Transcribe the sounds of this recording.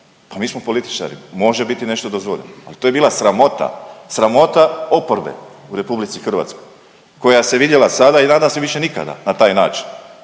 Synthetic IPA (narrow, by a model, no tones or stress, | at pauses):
pamiːsmo̞po̞lit̪i̥t͡ʃa̰ɾḭmo̞ʒebit̪ine̞ʃt̪od̪ozʋoʎa̰na̰lit̪ojebiːlˠasɾamo̞t̪a̰sɾamo̞t̪ao̞poɾbḛuɾe̞publit̪sixr̩ʋa̰t̪skoj | ko̞jaseʋid̪je̞lasad̪ainaːd̪amseʋiʃe̞nika̰d̪a̰nat̪aːjnaːt͡ʃi̥n